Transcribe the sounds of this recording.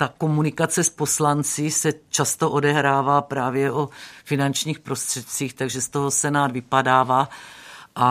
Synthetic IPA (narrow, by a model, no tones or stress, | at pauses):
t̪ako̞munɪkat͡sɛspo̞slant͡sɪsɛt͡ʃast̪o̞ʔo̞dɛɦɾaːvaːpɾaːvjɛʔofɪnant͡ʃɲiːxpɾo̞st̪r̥ɛt̪̚t͡siːxt̪aɡʒɛst̪oɦosɛnaːd̪vɪpadaːvaːʔa